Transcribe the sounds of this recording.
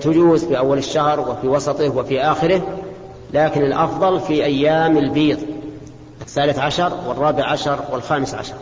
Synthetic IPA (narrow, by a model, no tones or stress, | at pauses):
t̪ʊd͡ʒuːzfiʔawːalɪʃːahɾwɪfiwɑsˤɑt̪ˤɪhwɪfiʔaːxɪɾɪh | laːkɪnɪlʔɑfðˤɑlfiʔajːaːmɪlbiːt̪ˤ | ʔɪθːaːlɪθʕaʃɑɾˤwɪrˤːɑːbɪʕʕaʃɑɾˤwɪlxaːmɪsʕa̰ʃɑɾˤ